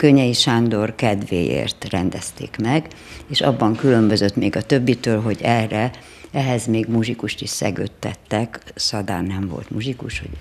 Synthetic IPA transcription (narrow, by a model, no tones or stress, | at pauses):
køɲːɛjiʃaːnd̪o̞rkɛd̪ʋḛːjḛːrt̪rɛnd̪ɛst̪ḛːkmɛɡ | eːʃɒ̰bːɒŋkylø̞mbø̞zøt̪meːɡɒt̪ø̞bːit̪øːlɦo̞ɟɛrɛ | ɛɦɛzmeːɡmuʒikuʃt̪iʃsɛ̰ɡø̰ːt̪ːɛt̪ːɛksɒd̪a̰ːnːɛɱvo̞̰lt̪muʒikuʃho̰